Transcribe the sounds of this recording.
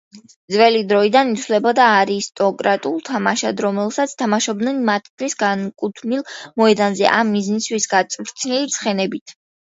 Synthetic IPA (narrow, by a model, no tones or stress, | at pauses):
d̪zvɛlid̪ɾɔid̪anit̪ʰlɛbɔd̪aːɾist̪ʼɔkʼɾat̪ʼulˠt̪ʰamaʃad̪ɾɔmɛlˠsat̪sʰt̪ʰamaʃɔb̚d̪nɛnmat̪ʰd̪ʰlisɡankʼut̪ʰnilˠmɔɛd̪anzɛ̰ʔamːizniswisɡat̪sʼvɾt̪sʰnilit̪sʰχɛnɛbit̪ʰ